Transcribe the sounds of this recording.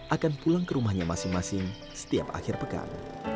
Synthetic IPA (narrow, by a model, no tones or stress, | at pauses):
ʔakanpulaŋkəɾumahɲamasɪŋmasɪŋ | sə̥t̪ia̰pa̰xɪrpəka̰ŋ